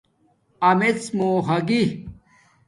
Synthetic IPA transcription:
ɐmet͡smoːɦɐɡi

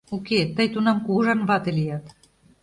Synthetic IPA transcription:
uket̪ə̆jt̪unɑmkuɣɤʒɑnβɑt̪elijɑt̪

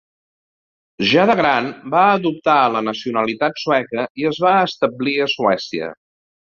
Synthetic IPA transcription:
ʒaðəɣɾanbaəðup̚t̪aələnəsiunəlit̪at̪suɛkəiəzβaəst̪əbliəsuɛsiə̰

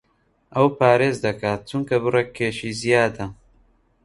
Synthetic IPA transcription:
ʔɐwpʰaːɾeːzd̪ɐkʰaːt̪̚t͡ʃuŋkɐβɨreːkʰːeːʃiːzijaːd̪ɐ

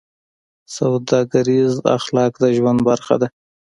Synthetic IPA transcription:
sawd̪ɑɡaɾiza̰xlɑkd̪əʒwand̪baɾxa̰d̪a

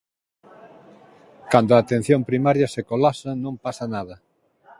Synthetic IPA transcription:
kand̪oaːt̪ẽn̟θjõmpɾimaɾjɐsekolasɐnõmpasanaðɐ

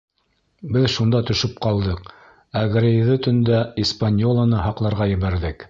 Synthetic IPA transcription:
bɘðʃund̪ɑt̪ɵ̆ʃɵp̚qɑlˠd̪ɤq | æɡɾɘ̆ðɘt̪ɵ̆nd̪æispanʲjolˠɑnɤɦɑqlˠɑɾʁɑjɘ̆βæɾðɘk

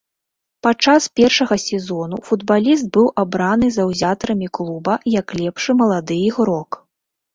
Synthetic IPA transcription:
pat͡ʂaspʲɛrʂɐɣɐsʲɛzɔnufud̪balʲis̬t̪̚bɨwʔabɾanɨzɐwzʲat̪ɐɾɐmʲiklˠubɐjɐklʲɛpʂɨmɐlˠad̪ɨjiɣɾɔk

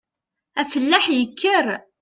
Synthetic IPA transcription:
æfəlːaħjəkʰːəɾ

